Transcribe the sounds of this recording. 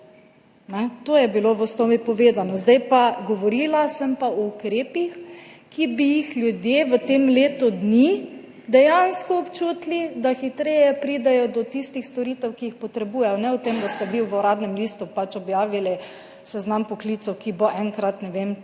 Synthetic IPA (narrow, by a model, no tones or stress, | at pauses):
nɛt̪oːjɛbiloʋəst̪omipɔʋeːd̪anɔzd̪ajpaɡɔʋɔɾilasɛmpaɔukɾeːpixkibijixljud̪jeʋət̪emleːt̪ud̪ni | d̪ɛjanskɔːpt͡ʃuːt̪lid̪axit̪ɾɛjɛpɾid̪ɛjɔd̪ɔt̪ist̪ixst̪ɔɾit̪ɛwkiixpɔt̪ɾɛbujɛjɔnɛʊt̪emd̪ast̪ɛʋiwɔɾaːd̪nɛmlist̪upat͡ʃɔbjaːʋilɛ | sɛznampɔklit̪sɛwkiboʔɛŋkɾat̪nɛʋem